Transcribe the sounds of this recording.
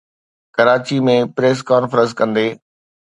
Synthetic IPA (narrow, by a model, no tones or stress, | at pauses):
kɐɾaːt͡ɕimẽpɾeːs̬kaːnfəɾə̃ns̬kɐ̃nd̪eː